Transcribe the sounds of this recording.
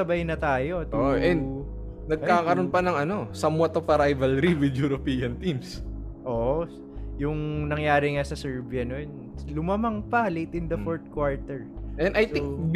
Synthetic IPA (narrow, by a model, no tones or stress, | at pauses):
ɐbajnɐt̪aːjo̞t̪ouʔʔɛnd̪ | nɐɡ̚kaːkɐɾo̞npɐnɐŋɐno̞sɐmwɐt̪opɐɾajvɐlɾiwɪd̪juɾopiːɐnt̪imsʔoːʔo | jʊŋnɐŋjaːɾɪŋasɐsɛɹbiɐnoɛn | lʊmɐmɐŋpɐlejt̪ɪnd̪ɐfoɹt̪̚kwaɹt̪ɛɹʔɛnd̪ɐjt̪ɪ̃ŋk